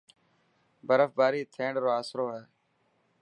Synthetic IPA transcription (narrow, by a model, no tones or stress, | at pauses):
bəɾəfbaːɾiːt̪ʰẽːɳɖɾoːaːsɾoːɦɛː